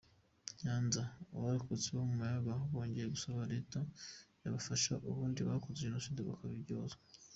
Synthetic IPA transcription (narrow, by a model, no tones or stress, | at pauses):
ɲaːnzaaβaɾikot͡seβamumajaβahoβo̞ːɲɟe̞jeɡusoβaɾetajaβafaʃaʔuβuːndiβakozenosindoβa̰kaβiɟozo